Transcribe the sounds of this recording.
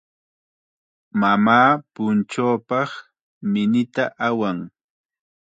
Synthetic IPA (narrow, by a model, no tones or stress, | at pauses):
mamaːpʊnt͡ʃoːpɑχ | mɪnɪt̪aʔawaŋ